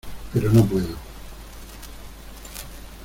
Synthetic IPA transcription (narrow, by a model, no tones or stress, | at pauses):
peɾonop̬weðo